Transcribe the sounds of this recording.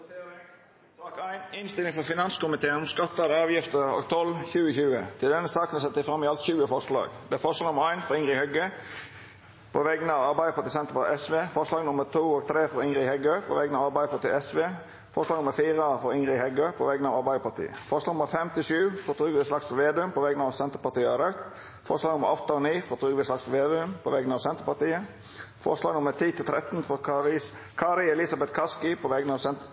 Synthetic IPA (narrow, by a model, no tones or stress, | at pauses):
ɑːkæɪnɪnst̪ɪlɪŋfɔfɪnɑnskʊmɪt̪ʰeːənɔmskɑt̪ːɑd̪əɑːʋjɪft̪əɾɔ̰ɡt̪ʰɔlçʉːəçʉːət̪ʰɪld̪ɛnːəsɑːkənɛsɛt̪ːsɪfɾɑmːɪɑlt̪çʉːəfɔɾʂlɑ̰ːɡd̪ɛæfɔʁʂɑːɡnʊməɾæɪnfɔʁɪŋʁɪhœɡə | pʰoʋɛɡənəɑːʋɑɾbæɪəpɑt̪ɪːsɛnt̪əfɔɛsʋeːfɔʁʂlɑːɡnʊməɾt̪ʰuːɔːɡt̪ʰɾeːfɔɾɪŋʁɪhɛɡøːpʰo̰ːʋɛɡənɑʋɑːbæɪəpɑt̪ḭːɛsʋeː | fɔɾʂlɑːɡnʊməɾfiːʁəfɔɾɪŋʁɪhɛɡøːpʰɔ̰ːʋɛɡənɑʋɑɾbæɪd̪əpɑt̪ʰḭːə̰fɔɾʂslɑːɡnʊməɾfɛmt̪ɪʃʉːʋfɔt̪ʰʁʉːɡʋɪslɑksʋeːd̪əʉmpʰɔʋɛɡənɑʋsɛnt̪əpɑt̪ʰiːɑɾœʉt̪ | fɔɾslɑːɡnʊmːə̰ɾɔt̪ːəɔniːfɔt̪ʰʁʉːɡʋɪslɑksʋeːd̪ʉmpʰɔʋɛɡnəɑːʋsɛnt̪əɾpɑt̪iːə | fɔ̰ɾʂlɑːɡnʊməɾt̪ʰiːt̪ʰɪlt̪ʰɾɛt̪n̩fɔɾ | kʰɑɾɪɛlɪsɑbɛt̪kʰɑskɪpʰɔʋɛɡənəɑːʋɛ